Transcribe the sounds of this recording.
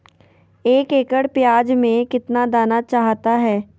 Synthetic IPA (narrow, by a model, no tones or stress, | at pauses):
eːkeːkəɽpjaːd͡ʒmẽkɪt̪nad̪aːnat͡ʃaːɦt̪aɦɛː